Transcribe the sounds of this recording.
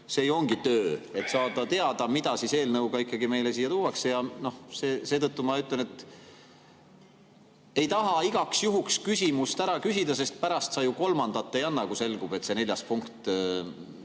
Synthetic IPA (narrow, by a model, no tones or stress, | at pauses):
se̞ːjo̞ŋɡ̥it̪øːe̞t̪sɑːd̪̥ɑt̪e̞ɑd̪̥ɑmid̪ɑsise̞ːlnɤwɡ̥ɑikˑːɑɡime̞jlesiːjːɑt̪uːwɑksejɑno̞hseːse̞ːt̪ɤt̪ːumɑyt̪lenet̪ːˑ | e̞jt̪ɑɦɑiɡ̥ɑksjuɦukskysʲimust̪æɾɑkysʲid̪̥ɑse̞st̪̚pæɾɑst̪sɑjuko̞lmɑnd̪̥ɑt̪ːe̞jɑnːɑkuse̞lɡ̥ub̥e̞t̪se̞ne̞ljɑspuŋkt̪ˑ